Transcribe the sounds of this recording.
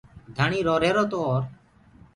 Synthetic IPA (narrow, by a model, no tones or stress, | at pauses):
d̪ʱaɳ̃iːɾoːɾeːɾoːt̪oːɾ